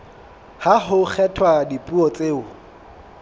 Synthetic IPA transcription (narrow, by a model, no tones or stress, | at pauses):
haɦʊk͡xʰɛtʰwadipʼuɔt͡sʼeːʊ